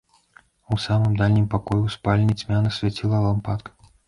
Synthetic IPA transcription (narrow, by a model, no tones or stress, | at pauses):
usamɨmd̪alʲnʲimpakɔjuspalʲnʲit͡sʲmʲanɐsʲvʲat͡sʲilˠɐlˠampat̪kɐ̥